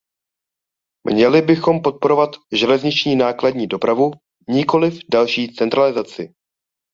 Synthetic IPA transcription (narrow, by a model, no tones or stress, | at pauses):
mɲɛlɪbɪxo̞mpo̞t̪̚po̞ɾo̞vat̪ʒɛlɛzɲɪt͡ʃɲiːnaːkladɲiːdo̞pɾavu | ɲɪko̞lɪfdalʃiːt͡sɛnt̪ɾalɪzat͡sɪ